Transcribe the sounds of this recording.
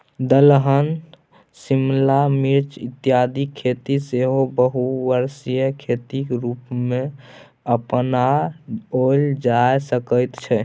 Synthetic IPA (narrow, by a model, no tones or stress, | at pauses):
d̪əlɦən | simlamiɾt͡ʃit̪ːijad̪ikʰet̪iseɦobəɦuʋəɾsijəkʰet̪ikɾupme | əpna | old͡ʒajsəkəjt̪t͡ʃʰɛ